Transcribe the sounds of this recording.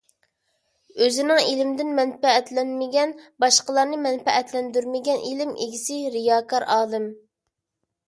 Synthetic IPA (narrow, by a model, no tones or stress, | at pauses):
øzɪnɪŋelɪmd̪ɪnmɛnpɛɛt̪lɛnmɪɡʲɛnbɑʃqəlˠɑɾnɨmɛnpɛʔɛt̪lɛnd̪yɾmɪɡʲɛnʔelɪmḛɡʲisɪɾijɑːkʰɑɾʔɑːlˠɨm